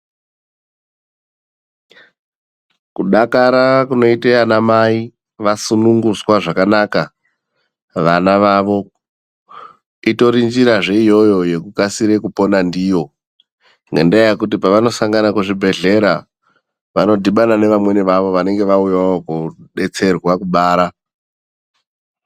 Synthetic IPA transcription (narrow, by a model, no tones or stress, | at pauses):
kuɗakaɾakuno̞iteanamai | ʋasunuŋɡuswaʐakanaka | ʋanaʋaʋo̞ | ito̞ɾind͡ʒiɾaʐe̞ijo̞jo̞je̞kukasiɾekupo̞nandijo̞ | ŋɡendaajekut̬ipaʋano̞saŋɡanakuʐibʱe̞ɮe̞ɾa | ʋano̞dʱiɓanane̞ʋamwe̞niʋaʋo̞ʋane̞ŋɡe̞ʋaujaokuɗe̞t͡se̞rɣwakuɓaːɾa